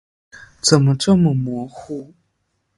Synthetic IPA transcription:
t͡sə˨˩nmə˨ʈ͡ʂɤ˥˩mə˨mwɔ˧˥˦xu˥˩

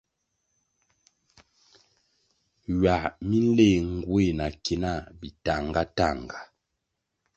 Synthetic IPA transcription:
ɥa˨mi˦n̩˦le˦˨ŋ˨ɡwe˦˨na˨ke˨na˦˨bi˨ta˨ŋɡa˦ta˦˨ŋɡa˨

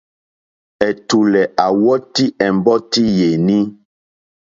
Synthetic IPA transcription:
ɛ˨tu˨lɛ˨ʔa˨wɔ˦ti˦ʔɛ˨mbɔ˦ti˦je˨nĩ˦

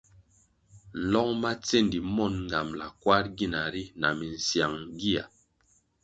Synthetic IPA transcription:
lɔ˦ŋma˦t͡se˦˨ndi˨mɔ˦˨nŋ˨ɡa˨mla̰˨kwa˦t̚ɡi˦˨na˨ɾi˦na̰˨mi˨n˨sja˨ŋɡi˦a̰˨

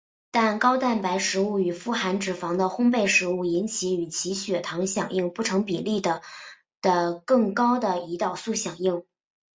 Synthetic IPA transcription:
t̪a˥˧nkɑ˥ʊt̪a˥˩npa˧˥ɪʂɻ̩˧˥u˥˩y˨˩fu˥xa˧˥nʈ͡ʂɻ̩˨˩fɑ˧˥ŋd̪ə˧xʊ˥ŋp̬e˥˩ɪʂɻ̩˧˥u˥˩i˧˥nt͡ɕʰi˧˥y˨˩t͡ɕʰi˧˥ɕɥɛ˨˩t̪ʰɑ˧˥ŋɕjɑ˨˩ŋi˥˧ŋpu˥˩ʈ͡ʂʰɤ˧˥ŋpi˨˩li˥˩d̪ə˩ | d̪̥ə˩kɤ˥˩ŋkɑ˥ʊd̪ə˨i˧˥t̪ɑ˥˩ʊsu˥˩ɕjɑ˨˩ŋi˥˩ŋ

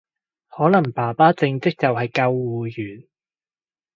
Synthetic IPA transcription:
hɔː˨˥lɐ˨˩ŋpaː˨˩paː˥t͡sɪ˧ŋt͡sɪ˥k̚t͡sɐ˨whɐ˨jkɐ˧wːuː˨jyː˨˩n

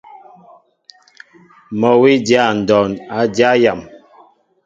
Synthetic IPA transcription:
mɔ˨wi˦dja˦˨n̩˨dɔ˨na˨˦dja˦ja˨m

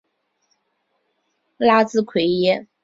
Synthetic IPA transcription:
la˥t͡sɹ̩˥˧kʰwe˧˥ɪjɛ˥

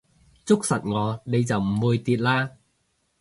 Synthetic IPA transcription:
t͡sʊ˥k̚sɐ˨˩t̚ŋɔː˨˧ne˨˧jt͡sɐ˨wm̩˨˩wuː˨˧jt̪iː˧t̚laː˥

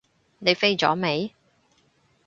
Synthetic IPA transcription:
ne˨˧jfe˥jt͡sɔ̰ː˨˥me˨˧j

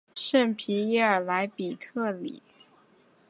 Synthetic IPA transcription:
ʂə˥˩npʰi˧˥i˥ə˞˨˩la˧˥ɪpi˨˩t̪ʰɤ˥˩lḭ˨˩˦

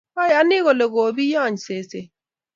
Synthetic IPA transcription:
kɔ˦ja˨˦nɪ˦ɣo˨le˨ɣo˨bi˦jɔ˦˨ɲse˨se˨

